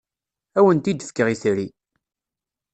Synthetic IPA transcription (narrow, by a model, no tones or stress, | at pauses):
æwənt̪id̪əfkəʁiθɾi